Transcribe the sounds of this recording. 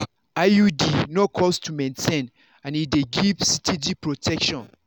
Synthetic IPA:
ajudinɔkʰɔstʰumɛ̃ntʰẽn | ãnideɡiv̥sitʰid͡ʒipɹotʰɛkʃɔ̃n

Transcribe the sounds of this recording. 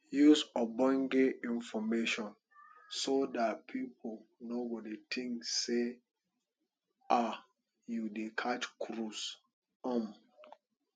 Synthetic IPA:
jusɔbɔ̃ŋɡeĩnfɔmeʃɔ̃n | sodatpʰipʰolnobɔditʰĩŋksse | a | judekʰat͡ʃkʰɾus | ɔ̃m

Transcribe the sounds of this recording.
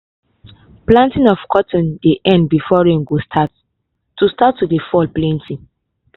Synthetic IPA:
plãntĩnɔfkʰɔtɔ̃ndeʔɛ̃ndbifɔɹɛ̃mɡostʰatː | ustatːudefɔlplɛ̃ntʰĩŋ

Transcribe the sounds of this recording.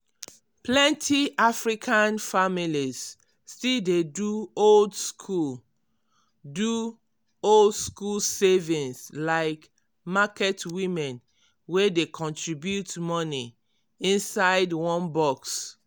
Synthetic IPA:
plɛ̃ntʰiʔafɹikʰãnfamiliz | stildeduoldskʰul | du | oldskulsevĩnslaɪk | makɛtwĩmɛ̃n | wedekʰɔ̃ntʰɹibjutmɔni | ĩnsaɪdwɔ̃nbɔks

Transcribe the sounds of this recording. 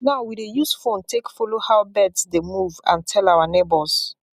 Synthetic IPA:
naʊwidejusfõntʰekfɔlohaʊbɛdsdemuvã̰ntʰɛlawanebɔs

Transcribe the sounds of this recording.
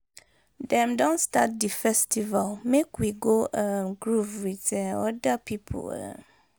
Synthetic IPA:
dɛ̃mdɔ̃nsta̰t̚difɛstʰivalmekwiɡoʔamɡɹufɹitʰɛ̃ɔdapʰipʰo̰la̰

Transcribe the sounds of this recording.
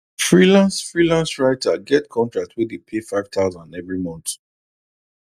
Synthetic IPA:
fɹilãnsfɹilãnsɹaɪtʰaɡɛtkʰɔ̃ntɹak̚tʰwidepʰefaɪv̥tʰaʊzãndɛvɹimɔ̃nt

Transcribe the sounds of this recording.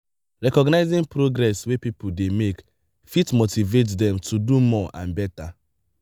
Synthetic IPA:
ɹɛkɔɡnaɪzĩŋpɾoɡɾɛswepipodemek | fitmotivetdɛ̃mtʰudumɔʔãnbɛta

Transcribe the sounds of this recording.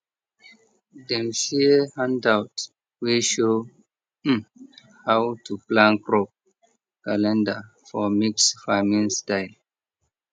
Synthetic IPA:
dɛ̃msihãndawt | weʃo | hawtʰuplãnkɹɔp̚ | kalɛ̃nda | fɔmiksfamĩnstãɪn

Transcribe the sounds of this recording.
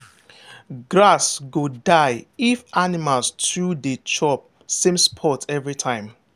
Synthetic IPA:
ɡɹasɡodaɪifanimalstɹudət͡ʃʰɔp̚ | sĩmspʰɔtʰɛvɹitʰãɪ̃m

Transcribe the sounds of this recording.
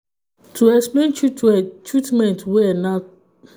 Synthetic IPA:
tuɛspɛnt͡ʃɾitmɛ̃ntwɛna

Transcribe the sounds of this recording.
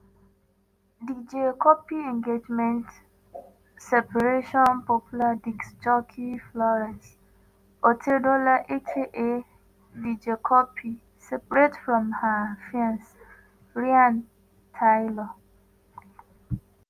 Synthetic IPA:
did͡ʒekɔpiɛ̃ŋɡed͡ʒmɛ̃nt | sɛpʰaɾeʃɔ̃npɔpʰuladiksd͡ʒɔkʰiflɔɹati | otʰedolaʔekʰeʔe | did͡ʒekʰɔpʰi | sɛpɹetfɹɔ̃mhafãns | ɹiãn | tʰajlɔ

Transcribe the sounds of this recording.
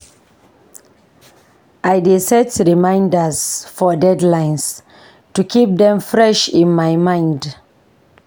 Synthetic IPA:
ʔajdesɛtɹimãɪ̃ndəzfɔdɛdlãɪ̃ns | tukʰip̚dɛ̃mfɹɛʃĩnmajmãɪ̃nd

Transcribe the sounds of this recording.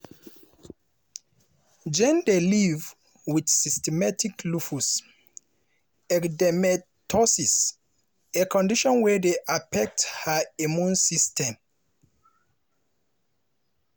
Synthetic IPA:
d͡ʒɛ̃ndeliv | widsistɛmatʰiklufus | ɛkdɛmɛtʰɔsis | ekʰɔ̃ndiʃɔ̃nwɛdeʔafɛk̚thəimjũnsistʰɛ̃m

